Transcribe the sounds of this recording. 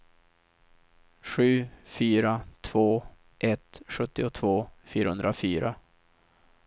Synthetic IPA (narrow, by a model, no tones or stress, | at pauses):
ɧʉ̟ːfyːɾat̪ʰv̥oː | ʔɛt̪ɧɵt̪ːɪʊt̪ʰvoːfyːɾahɵ̰nd̪ɾafyːɾa̰